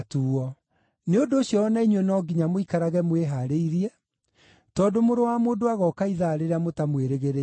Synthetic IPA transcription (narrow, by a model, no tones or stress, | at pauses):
tuːɔ | neondoːɕjɔɔnaiɲwɛnɔːɡiɲamoikaɾaɣɛmweɦaɾeiɾiɛ | tɔdomoɾowamoːdoaɣɔkaiðaɾeɾeamotamweɾeɣeɾe